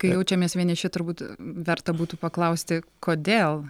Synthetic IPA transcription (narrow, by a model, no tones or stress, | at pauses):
kɐɪjjɛʊt͡ʃʲɛmʲiɛsʋʲiɛnʲɪʃʲɪt̪ʊɾbuːt̪ʋʲɛɾt̪ɐbuːt̪uːpɐklˠɐʊsʲt̪ʲɪkoːd̪ʲeːlˠ